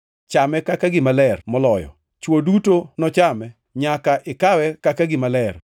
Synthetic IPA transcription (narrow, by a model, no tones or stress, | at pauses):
t͡ʃamɛkakaɡɪmalɛrmɔlɔjɔ̰ | t͡ʃwodutonɔt͡ʃamɛ | ɲakaʔɪkawɛkakaɡɪmalɛr